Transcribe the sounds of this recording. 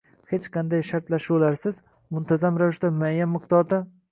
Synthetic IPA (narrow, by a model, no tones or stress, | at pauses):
het͡ʃqʰɑnd̪ajʃaɾt̪laʃlaɾsɪz | mʊnt̪ʰazamɾavɪʃt̪amajːamːɪq̚t̪ɒd̪a